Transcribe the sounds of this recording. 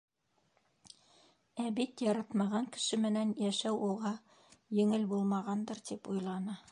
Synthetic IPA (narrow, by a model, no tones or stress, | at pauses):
æbit̪jɑɾɑt̪mɑʁɑŋkɘ̥̆ʃɘmɘ̆nænjæʃæwuʁɑ | jɘ̆ŋɘlbulˠmɑʁɑnd̪ɤɾt̪ipujlˠɑnɤ